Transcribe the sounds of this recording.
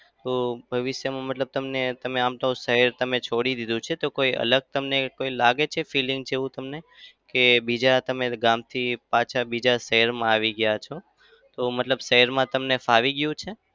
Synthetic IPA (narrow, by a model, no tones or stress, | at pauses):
t̪obʱəʋɪʃjəmãmət̪ləb̚t̪əmnet̪əmeamʈ̪oũsəɦəɾt̪əmet͡ʃʰoɽid̪id̪ũt͡ʃʰet̪okoiʔə̰ləɡ̚t̪əmnekoilaɡet͡ʃʰefilɪŋɡ̚d͡ʒeʋũt̪əmnekebid͡ʒat̪əmeɡãmt̪ʰipãt͡ʃʰabid͡ʒasəɦəɾmãaʋiɡəjat͡ʃʰo | t̪omət̪ləbʃəɦəɾmãt̪əmnefaʋiɡjũt͡ʃʰe